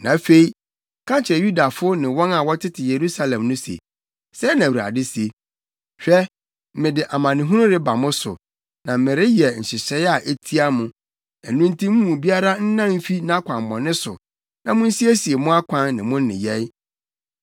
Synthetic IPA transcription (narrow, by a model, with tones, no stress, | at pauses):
nã̰˨˦fe˦i˦ | kʰã˦t͡ɕʰɪ˨ɾɛ˨ju˦da˨fʊ˦nɪ̃˨wɔ̃˦na˨wɔ˦tʰɪ˦tʰɪ˨je˨ɾu˦sa˦lɛ̃˨mnʊ̃˦sḛ˨ | sɛ˦nã˨wu˨a̰˨dɪ˦si˨e˨ | ɕᶣɛ˦ | m̩˦mɪ̃˨dɪ˨ʔa˨mã˨nɪ̃˨ɦũ˦nʊ̃˦ɾɪ˦ba˨mʊ̃˦sʊ̰˨ | nã˨m̩˦mɪ̃˨ɾɪ˦jɛ˨n̩˨ɕɪ˨ɕɛ˦ja˨ʔe˦tʰi˦a˦mʊ̃˨ | ɛ̰˨nʊ̃˦n˦tʰĩ˦m˦ũ˨bi˦a˦ɾa˦n̩˦nã˦m̩˦fi˦nã˦kʰʷã˨m˨mɔ̰̃˨nɪ̃˦sʊ̰˨ | nã˨mʊ̃˦n̩˦si˦e˦si˨e˨mʊ̃˦a˦kʷʰã˦nːɪ̃˨mʊ̃˦n˦nɪ̰̃˨jɛ˦ɪ˦